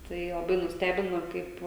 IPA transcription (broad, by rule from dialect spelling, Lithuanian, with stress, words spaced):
ˈtɐɪ lˠɐˈbɐɪ nʊsʲˈtʲæːbʲɪnoː ˈkɐɪp